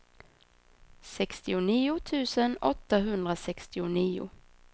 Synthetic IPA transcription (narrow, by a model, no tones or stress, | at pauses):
sɛkst̪ɪʊniːʊt̪ʰʉ̟ːsənɔt̪ːaɦɵnd̪ɾasɛkst̪ɪʊniːʊ̰